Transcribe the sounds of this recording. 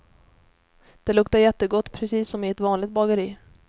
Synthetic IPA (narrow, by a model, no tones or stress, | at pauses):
d̪̥ɛlɵkt̪aɾjɛt̪ːəɡɔt̪ːpʰɾɛsiːsːɔmɪɛt̪vɑːnlɪɡ̚t̪̚bɑɡəɾiː